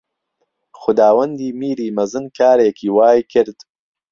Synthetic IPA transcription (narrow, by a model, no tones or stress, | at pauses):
xʊd̪aːwɐnd̪iːmiːɾiːmɐzɨnkʰaːɾeːkʰiːwaːjkʰɨɾd̪